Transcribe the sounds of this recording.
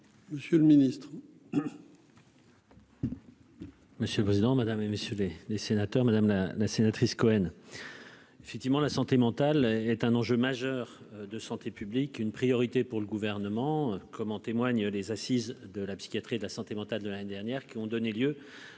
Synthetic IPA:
məsjøləminist̪χ | məsjøləpχezid̪ɑ̃mad̪ameməsjølelesenat̪œʁmad̪amlalasenat̪χiskɔɛn | efɛk̚t̪ivmɑ̃lasɑ̃t̪emɑ̃t̪alɛt̪ɛ̃nɑ̃ʒømaʒœʁ | d̪əsɑ̃t̪ʰepyblikynpχijɔʁit̪epuʁləɡuvɛʁnəmɑ̃kɔmɑ̃t̪emwaɲlezasizd̪əlapsi̥kʲjat̪χied̪lasɑ̃t̪emɑ̃t̪ald̪əlaned̪ɛʁnjɛʁkʲiɔ̃d̪ɔneljø

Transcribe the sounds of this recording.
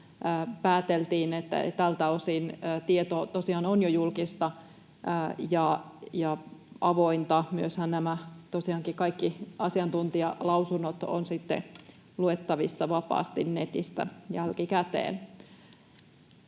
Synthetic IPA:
əːpæːt̪elt̪iːnet̪ːæ̰t̪ælt̪æosinːt̪iet̪ot̪osiɑːnonjojulkist̪ɑ | jɑjɑɑʋoint̪ɑmyøshænnæmæt̪osiɑːŋkikɑikːiɑsiɑnt̪unt̪iɑlɑusunːot̪o̰nsit̪ːḛ | luet̪ːɑʋisːɑʋɑpɑ̰ːst̪innet̪ist̪æ̰jælkikæt̪ḛːn

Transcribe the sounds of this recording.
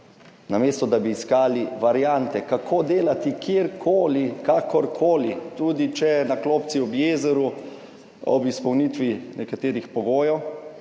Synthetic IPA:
nameːst̪ɔd̪abiːskaːliʋaɾjant̪ɛkakʰoːd̪eːlat̪ikjeɾkʰoːlikaːkʰɔɾkʰoːlit̪uːd̪it͡ʃɛnakloːp̪siɔbjeːzɛɾu | ɔ̰bispɐwnit̪ʋinɛkat̪eːɾixpɔɡoːjɔw

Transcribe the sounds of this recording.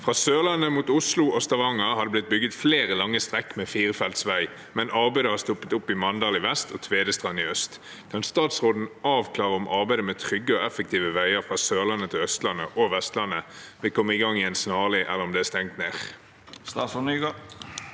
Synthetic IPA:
fʁɑːsøːʁlɑnːəmuːt̪ʊslʊʔɔst̪ɑʋɑŋəɦɑd̪əblɪt̪̚bʏɡət̪fleːʁəlɑŋːəst̪ʁɛkːmɛːfiːʁəfɛlt̪sʋæɪ | mɛnɑʁbæɪd̪əhɑst̪ɔpːət̪ʊpːɪmɑnd̪ɑːlɪʋɛst̪ɔt̪ʰʋeːd̪əst̪ʁɑnɪœst̪ | k̪ʰɑnst̪ɑːt̪sʁoːd̪n̩ɑːʋkʰlɑːʁəʊmʔɑʁbæɪd̪əmɛt̪ʰʁʏɡːəɔɛfək̚t̪iːʋəʋæɪəʁfʁɑːsøːʁlɑnːət̪ʰɪlœst̪lɑnːə̰ʔɔʋɛst̪lɑnːəʋɪkʰɔmːəɪɡɑŋːɪɛnsnɑːlɪʔɛ̰lːəʁɔmd̪ɛːæst̪ɛŋt̪neːʁ | st̪ɑsɔnyɡ

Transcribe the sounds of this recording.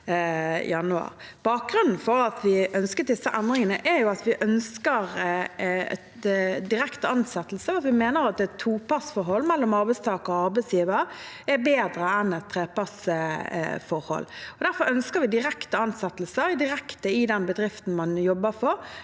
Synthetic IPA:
jɑnʉɑ̰ɾb̥ɑːk̚ɡɾʉnn̩fɔɾɑt̪ʰʋɪʔœnskət̪̚d̪ɪsːəʔɛnd̪ɾɪŋənəʔɛɾjʊɑt̪ʋɪʔœnskəɾ | ɛ̰ | d̪ɪɾɛkt̪əɑnsɛt̪ːl̩səɑt̪ʋɪmeːnəɾɑt̪̚d̪ɛt̪ʰːuːpɑsfɔɾɦɔlːmɛlːɔmɑɾbɛɪst̪ʰɑːkəʁɔɔɑɾbɛɪsjiːʋəɾ | ɛɾbeːd̪ɾəɛnɛt̪ʰːɾeːpɑs | fɔɾhɔ̰lːɔd̪æɾfɔɾœnskəɾʋɪd̪ɪɾɛkt̪əɑnsɛt̪ːlsəɾd̪ɪɾɛkt̪əɪd̪ɛnbəd̪ɾɪft̪n̩mɑnjɔbːəɾfɔɾ

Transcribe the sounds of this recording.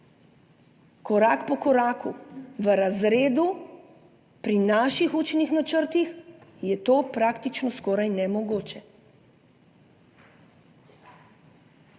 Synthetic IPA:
kɔɾaːkpɔkɔɾaːkuʋəɾazɾeːd̪u | pɾinaːʃixuːt͡ʃnixnat͡ʃəɾt̪ixjɛt̪oːpɾaːkt̪it͡ʃnɔskɔːɾajnɛmɔɡoːt͡ʃɛ

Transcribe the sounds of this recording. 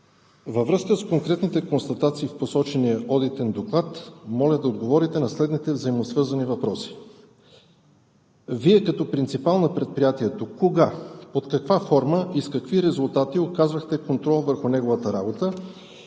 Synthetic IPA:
vəvɾɤskəskoŋkɾɛt̪nit̪ɛkonst̪ɐt̪at̪siːfposɔt͡ʃɛnijəʔɔd̪it̪ɛnd̪oklˠat̪mɔlʲəd̪ɐod̪ɡovɔɾit̪ɛnɐslɛd̪nit̪ɛvzɐimosvɤɾzɐnivɐpɾɔsi̥ | viɛkɐt̪ɔpɾint̪sipalˠnɐpɾɛt̪̚pɾijat̪iɛt̪okoɡapot̪kɐkvafɔɾməʔiskɐkviɾɛzʊlˠt̪at̪iokazvəxt̪ɛkont̪ɾɔlˠvəɾxʊnɛɡovət̪əɾabot̪ə

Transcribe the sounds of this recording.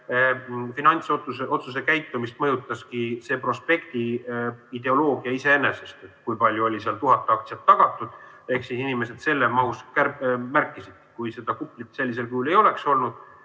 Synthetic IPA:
finɑnʲt̪sot̪useʔo̞t̪sus̬e̞kæjt̪ːˑumist̪mɤjut̪ːˑɑskise̞ːpro̞spe̞kt̪iid̪̥e̞o̞lo̞ːɡiɑise̞e̞ne̞se̞st̪et̪ːˑkujpɑlʲjuo̞lʲiseɑlt̪uɦɑt̪ːˑeɑk̚t̪siɑt̪ːɑɡ̥ɑt̪ːˑud̪̥ | e̞hksisinʲime̞s̬e̞d̪se̞lːemɑhuskærmæɾkːˑisid̪̚kujse̞d̪̥ɑkupːˑlit̪se̞lʲːis̬e̞lkyule̞jo̞le̞kso̞lnud̪̥

